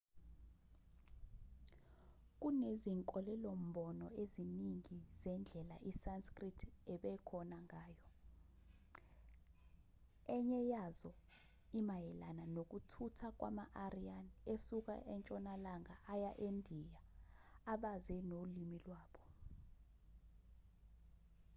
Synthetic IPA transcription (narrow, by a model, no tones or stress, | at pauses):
k̬uneziŋkʼɔlɛlom̩ɓɔnɔeziniŋiz̥ɛnd͡ɮʱɛlaʔisanskritʰɛɓɛkʰɔnaŋaːjɔ | ɛɲɛjazɔ | imajɛlananok̬utʰutʰak̬ʼwʔa̰maʔarianesuk̬a̰ʔɛnt͡ʃʼɔnalaŋaʔajaʔendʱijaː | ɓazɛnolimilwaːɓɔ